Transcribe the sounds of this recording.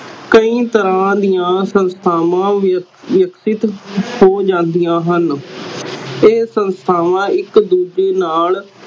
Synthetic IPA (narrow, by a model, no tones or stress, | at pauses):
kəĩːt̪əɾãːd̪ijãːsənst̪ʰaːʋãː | ʋjəksɪt̪hoːd͡ʒãːnd̪ijãːɦən | eːsənst̪ʰaːʋãːɪkd̪uːd͡ʒeːnaːl